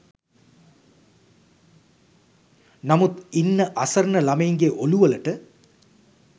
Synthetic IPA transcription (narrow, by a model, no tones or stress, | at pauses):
nɐmut̪inːɐʔɐsɐɾnɐlɐmɐjŋɡeʔoluʋɐlɐʈɨ